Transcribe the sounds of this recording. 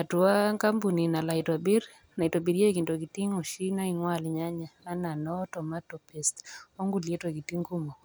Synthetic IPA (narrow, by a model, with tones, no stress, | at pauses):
a˨tu˨a˦ŋka˦mbu˨ni˨na˨la˨itwa˨bi˦ɾ | na˨i˨ta˨bi˨ɾje˦ki˨nto˨ki˨ti˦ŋɔ˨ʃi˦na˦iŋwa˦˨lɲa˦ɲaː˨˦na˨nɔ˦tɔ˨ma˦tɔ˨pɛ˨sto˦ŋɡuljɛ˦twɔ˨ki˨ti˦ŋɡu˦mɔ˨